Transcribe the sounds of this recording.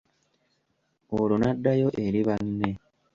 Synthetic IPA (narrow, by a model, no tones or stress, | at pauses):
oːɾonɐdːɐjoʔeɾiβɐnːe